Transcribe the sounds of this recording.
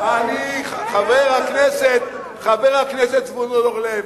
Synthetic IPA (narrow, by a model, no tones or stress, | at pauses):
aniχaveʁhakneset̪̚ | χaveʁakneset̪smonoloχle